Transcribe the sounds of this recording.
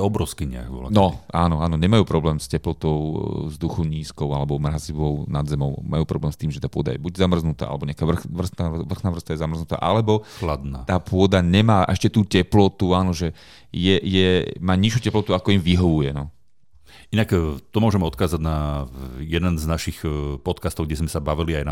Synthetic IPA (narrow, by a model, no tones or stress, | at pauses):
jɛɔbɾɔʊskiɲɪ̰a̰kʋɔ̰la̰nɔaːnɔaːnɔɲɛmajuːpɾɔblɛːmscɛplɔt̪ɔʊzd̪uxɔʊɲiːskɔʊalɛbɔmɾaziʋɔʊnad̪zɛmɔʊmajuːpɾɔblɛːmst̪iːmʒɛt̪aːpʊɔd̪a̰jɛbuɟzamr̩znut̪a̰ːa̰lɛbɔɲɛakaːʋr̩xʋr̩snaʋr̩xnaːʋr̩st̪ajɛzamr̩znut̪a̰ːʔalɛbɔxlad̪naːt̪aːpʰʊɔd̪aɲɛmaːʔɛ̰ʃcɛt̪uːcɛplɔt̪uaːnɔʒɛ | jɛjɛmaːɲiʃjuːcɛplɔt̪uakɔimʋiɦɔʋujɛnɔ | inakt̪ɔmʊɔʒɛmɛɔt̪̚kaːzaɟna | jɛd̪ɛnznaʃixpɔt̪kast̪ɔʊɡɟɛzmɛsabaʋiliajna